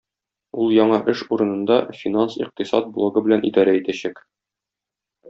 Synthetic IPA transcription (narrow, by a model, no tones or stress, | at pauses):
ulˠjɒɴɑʔɘʃuɾɤ̆nɤ̆nd̪ɑfʲinansḭq̚t̪isɑ̰t̪̚blˠoɡɤbɘ̆lænʔḭd̪ɒɾæit̪æɕæk